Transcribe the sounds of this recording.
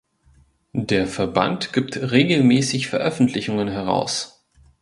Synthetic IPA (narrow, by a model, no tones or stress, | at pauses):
deːɐfɛɐba̰ntɡ̥iːptʁeːɡl̩mɛːsɪçfɛɐʔœfn̩tʰlɪçʊŋənɦɛɐʁa̰ʊs